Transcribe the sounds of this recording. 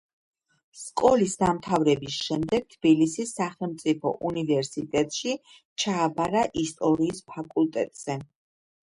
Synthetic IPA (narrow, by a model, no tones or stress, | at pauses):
skʼɔlisd̪amt̪ʰavɾɛbisʃɛmd̪ɛɡ̥̚t̪ʰb̥ilisisːaχɛlˠmt̪sʼipʰɔ̰ʔunivɛɾsit̪ʼɛt̪ʼʃi | t͡ʃʰaːbaɾaʔist̪ʼɔɾiːspʰakʼulˠt̪ʼɛ̰t̪ʼz̥ɛ